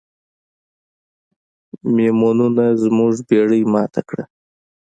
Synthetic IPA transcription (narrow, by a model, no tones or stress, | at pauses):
memɑnunazmuʐbeɽəjmɑt̪ʰakɽa̰